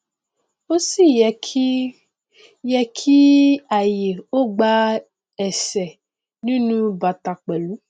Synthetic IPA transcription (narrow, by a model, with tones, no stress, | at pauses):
o˦si˦˨j | jɛ˧kʰi˦a˨je˨o˦ɡ͡ba˧ | ɛ˨sɛ˨ | nĩ˦nũ˧ba˨ta˨k͡pɛ˨lu˨˦